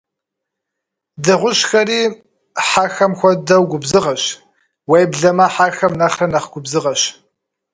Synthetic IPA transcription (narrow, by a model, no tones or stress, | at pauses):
dɨʁʷʊʃxɐriː | ħaxɐmxʷɐdɐwɡʷʊbzɨʁɐʃ | wejbɮɐmɐħaxɐmnɐχrɐnɐχɡʷʊbzɨʁɐʃ